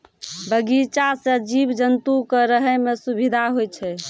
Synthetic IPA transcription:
bəɡit͡ʃasəd͡ʒibd͡ʒənt̪ukəɾəɦɛmesubʱid̪ʱaɦojt͡ʃʰɛ

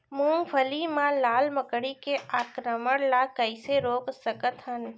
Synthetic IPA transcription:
mũːŋɡbʰʱəlimãlaːlməkɽikeʔaːkɾəməɽlaːkəɪseɾoːksəkət̪ɦɐn

